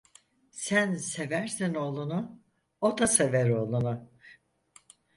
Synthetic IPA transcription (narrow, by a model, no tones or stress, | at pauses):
sænse̞væɾsino̞lˠunu | ot̪aseveɾo̞lˠunu